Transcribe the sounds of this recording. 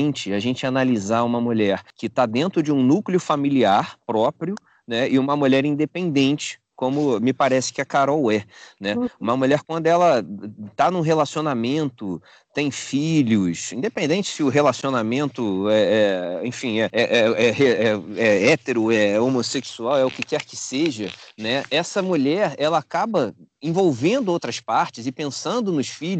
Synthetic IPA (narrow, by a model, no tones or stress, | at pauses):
nt͡ʃɪaʒẽnt͡ʃɪanalizaũmɐmuʎɛɾkɪt̪ad̪ẽnt̪ɾʊd͡ʒɪũnukliʊfamiliaɾpɾɔpɾiʊ | nɛɪũmɐmuʎɛɾĩnd̪epẽnd̪ẽnt͡ʃɪ̥ | kõmʊmɪpaɾɛsɪ̥kɪɐkaɾɔwɛnɛũmɐmuʎɛɾkwɐ̃nd̪ʊɛlɐt̪anũɦelasionamẽnt̪ʊ | t̪ẽj̃fiʎʊsĩd̪epẽnd̪ẽnt͡ʃɪ̥sɪʊɦelasionamẽnt̪ʊɛɛḛ̃j̃fĩɛɛʔɛɛɦeɛɛɛt̪eɾʊɛomoseksuawɛʊkɪkɛɾkɪseʒɐnɛɛsɐmuʎɛɾɛlɐaːkabɐẽvowvẽnd̪ʊowt̪ɾɐspaɾt͡ʃɪzɪpẽsɐ̃nd̪ʊnʊʃfiʎ